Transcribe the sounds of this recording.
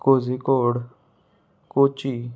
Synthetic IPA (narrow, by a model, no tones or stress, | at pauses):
koːziːkoːɽ | koːt͡ʃiː